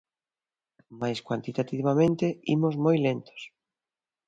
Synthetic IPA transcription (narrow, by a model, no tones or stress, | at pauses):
majskwant̪it̪at̪iβamẽnt̪eimozmojlent̪o̥s